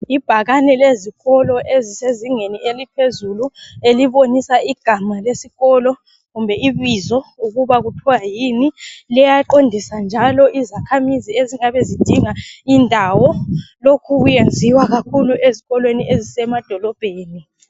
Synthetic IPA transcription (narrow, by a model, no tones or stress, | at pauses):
ib̥ʱaɣanɛleziɣɔlɔʔeziseziŋenielipʰezulueliβonisaʔiɡ̥ʱamalesiɣɔlɔ | ɣumbʱɛiβizɔuɣuβaɣutʰɔwajiːnilɛjaǃondʱisand͡ʒʱalɔʔizakʰamizieziŋaβezid̥ʱiŋaindʱawɔlokʰuɣujend͡zʱiwaɣakʰuluʔeziɣɔlweniʔezisɛmad̥ʱɔlɔb̥ʱeːni